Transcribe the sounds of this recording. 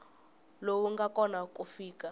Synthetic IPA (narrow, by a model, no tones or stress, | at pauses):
lowuŋɡakʼɔnakʼufiːkʼa